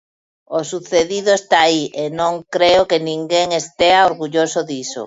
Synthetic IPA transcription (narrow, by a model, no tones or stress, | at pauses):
osuθeðiðʊest̪aːienõŋkɾeokenĩŋɡeŋest̪eaoɾɣuʎosʊðiso̰